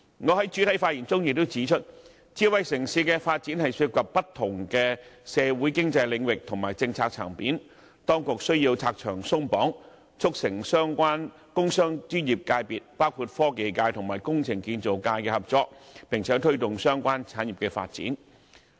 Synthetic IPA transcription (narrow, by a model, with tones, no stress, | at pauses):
ŋɔː˨˧hɐ˨˥jt͡ʃyː˨˥t̪ʰɐ˨˥jfaː˧t̚jiː˨˩nt͡sʊ˥ŋjɪ˨k̚t̪wt͡siː˨˥t͡ʃʰɵ˥t̚ | t͡siː˨˥wɐ˨jsɪ˨˩ŋsiː˨˥kɛ˧faː˧t̚t͡siː˨˥nhɐ˨jsyː˧˥t̚kɐ˨p̚pːɐ˥t̪ʰːʊ˨˩ŋkɛː˧sɛː˨˧wuː˨˥jkɪ˥ŋt͡sɐ˧jlɪ˨˧˥ŋwɪ˨k̚t̪ʰʊ˨˩ŋmaː˨˩jt͡sɪ˧ŋt͡sʰaː˧k̚t͡sʰa̰ː˨˩ŋpiː˨˥n | t̪ɔː˥ŋkʊ˨k̚sɵ˥ɥji˧wt͡sʰaː˧k̚t͡ʃʰœː˨˩ŋsʊ˥ŋpɔː˨˥ŋ | t͡sʰʊ˥k̚sɪ˨˩ŋsœː˥ŋkʷaː˥n | kʊ˥ŋsœː˥ŋt͡syː˥njiː˨˩p̚kaː˧jpiː˨t̚paː˥wkʰuː˨˧t̚fɔː˥ke˨jkaː˧jt̪ʰʊ˨˩ŋmaː˨˩jkʊ˥ŋt͡sʰɪ˨˩ŋkiː˧nt͡so˨˩wkaː˧jkɛː˧hɐ˨p̚t͡sɔː˧k̚pɪ˨˩ŋt͡sʰɛ˨˥t̪ʰɵ˥ɥt̪ʊ˨˩ŋsœː˥ŋkʷaː˥nt͡sʰaː˨˥njiː˨p̚kɛ˧fa̰ː˧t̚t͡sḭ˨˥n